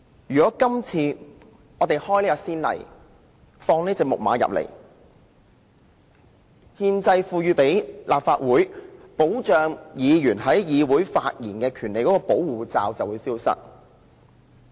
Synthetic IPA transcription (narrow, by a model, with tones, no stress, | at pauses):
jyː˨kɔː˨˥kɐ˥mt͡sʰiː˧ | ŋɔː˨˧t̪e˨jhɔː˥jli˥kɔ˧siː˥nlɐ̰˨˩j | fɔː˧ŋniː˥t͡sɛː˨˧k̚mʊ̰˨k̚ma̰ː˨˧˥jɐ̰˨p̚lḛ˨˩j | hiː˧nt͡sɐ˧jfuː˧ɥyː˨˧pe˨˥jlʔaː˨p̚faː˧t̚wuː˨˥jpo˨˥wt͡ʃœː˨ŋjiː˨˧jyː˨˩nɦɐ˨˥jjiː˨˧wuː˨˥jfaː˧t̚jiː˨˩nkɛː˧kʰy˨˩nle˨jkɔ˨˥kɔː˧po˨˥wwuː˨t͡sa̰ː˨˧wt͡sɐ˨wuː˨˧jsiː˥wsɐ̰˥t̚